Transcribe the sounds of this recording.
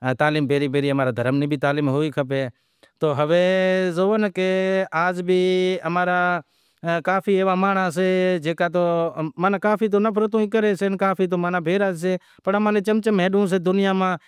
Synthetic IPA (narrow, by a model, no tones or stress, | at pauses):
t̪aːliːmbeːɾiːpeːɾiːɦəmaːɾaːd̪ʱəɾəmniːbʱiːt̪aːliːmɦoːiːkʰəpeː | t̪oːɦəʋeːzoːənkeaːd͡ʒbʱiːəmaːɾaː | kaːpʰiːeːʋaːmaːɳaːseːd͡ʒeːkaːt̪̬oːmaːnaːkaːpiːt̪̬oːnəpʰɾət̪ũːĩːk̬əɾeːseːnkaːpʰiːt̪̬oːmaːnaːbʱeːɾaːseː | pəɳɦəmãːnẽːt͡ʃəmt͡ʃəmẽːɗũːs̬eːd̪ʊnɪjaːmãː